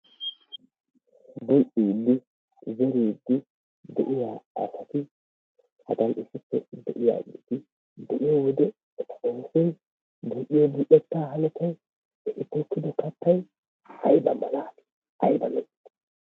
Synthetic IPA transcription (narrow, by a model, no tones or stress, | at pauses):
bɔʔiːd̪ːɪ | zɛɾiːd̪ːɪ | d̪ɛʔɪjaːɐ̰sɐt̪ɪ | hɐd̪ɐnɪsɪpːɛ̰d̪ɛ̰ʔɪja̰ːɡit̪ɪ | d̪ɛʔɪjawɔd̪ɛ | t̪ɐʔɔnsɛj | buʔɪjɔbɪʔɛt̪ːaːhɐnɛt̪ːɐj | ɛʔɪt̪ːɔkːɪd̪ɔkɐt̪ːɐj | hɐjbɐmɐlaːtɪ̥ | ɐjbɐlɔʔt̪ː